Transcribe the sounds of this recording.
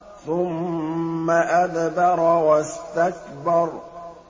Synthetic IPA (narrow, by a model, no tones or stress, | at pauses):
θʊmː | aʔaðbɑɾˤwast̪akbɑɾˤ